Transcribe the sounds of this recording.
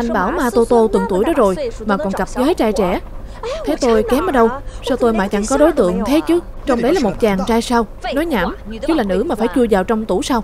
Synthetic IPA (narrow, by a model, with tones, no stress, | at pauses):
ʔa˧jŋ̟ɓaː˧˩wmaː˧t̪o˧t̪o˧t̪ɨ˨˩ŋt̪u˧˩əjɗɔ˨˦˥zo˨˩jmaː˨˩kɔ˨˩nkə˨˩p̚zəː˨˦jt͡ɕaː˧jt͡ɕɛ̰˧˩ | t̪ʰe˨˦t̪o˧jkɛ˨˦mʔəː˨˦ɗə˧wsaː˧wt̪o˧jma̰ː˧˨jt͡ɕa̰˧˥ŋkɔ˨˦ɗo˨˦jt̪ɨ̰˧˨əŋt̪ʰe˨˦t͡ɕɨ˨˦ | t͡ɕɔ˧wŋ͡mɗə˨˦jlaː˨˩mo˨˩t̚t͡ɕaː˨˩ŋt͡ɕaː˧jsaː˧wnɔ˨˦jɲaː˧˩mt͡ɕɨ˨˦˥laː˨˩nɨ̰˧˥maː˨˩faː˧˩jt͡ɕu˧əzaː˨˩wt͡ɕɔ˧wŋ͡mt̪u˧˩saː˧w